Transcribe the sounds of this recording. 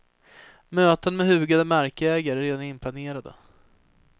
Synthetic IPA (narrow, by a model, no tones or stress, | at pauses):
møːt̪ənmɛɦʉ̟ːɡad̪əmaɾkəɛːɡaɾɾeːd̪anɪnpʰlaneːɾad̪ə̰